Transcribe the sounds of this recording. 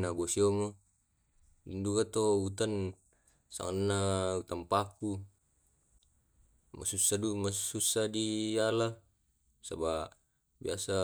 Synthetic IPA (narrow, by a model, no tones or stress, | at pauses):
nabosiomo | indukat̪out̪an | sa̰ŋannːaut̪ampaku | ma̰susadumasusadiala | sa̰ba | biasa